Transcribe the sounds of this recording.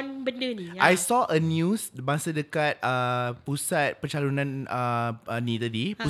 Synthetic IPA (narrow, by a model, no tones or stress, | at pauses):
nbəndəniʔajsɔʔənjusbãŋsadəkat̪̚əpusat̪̚pərt͡ʃalunãnəənĩt̪adipu